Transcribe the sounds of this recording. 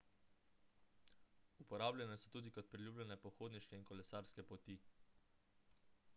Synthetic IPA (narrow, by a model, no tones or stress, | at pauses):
upɔɾaːbljɛnɛsɔt̪uːd̪ikɔt̪̚pɾilʲjuːblʲɛnɛpɔxoːd̪niʃkɛiŋnkɔlɛsaːɾskɛpɔt̪i